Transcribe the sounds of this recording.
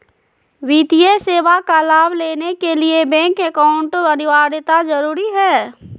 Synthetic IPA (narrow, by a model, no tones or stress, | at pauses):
ʋiːt̪ijeseːʋakalaːbleːnekeliebɛ̃ŋkɛkaːʊ̃ɳʈɐnɪʋaːɾɪt̪azɐɾuːɾiɦɛː